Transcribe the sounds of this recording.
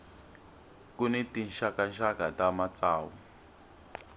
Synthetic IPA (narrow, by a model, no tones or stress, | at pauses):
kunɛtinʃakanʃakatamat͡saːwu